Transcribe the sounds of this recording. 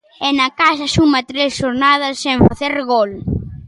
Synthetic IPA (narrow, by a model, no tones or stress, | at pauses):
ɛnɐkaʃɐʃumɐt̪ɾesʃoɾnað̞ɐsːẽɱfaθeɾɣɔl